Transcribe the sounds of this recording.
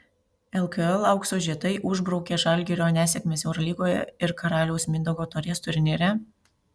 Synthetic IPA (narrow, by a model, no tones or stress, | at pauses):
ɛlˠkɐɛlˠɐʊkst̪oːʒʲiːt̪ɐɪʔʊʒbɾɔʊkʲeːʒɑlʲɡʲiɾʲoːnʲæːsʲɛkʲmʲeːsʲɛʊɾɔlʲiːɡoːjɛ̰ɪɾkɐɾɑːlʲɛʊsmʲɪnd̪oɡoːt̪ɔːɾʲeːst̪ʊɾʲɪnʲeːɾʲɛ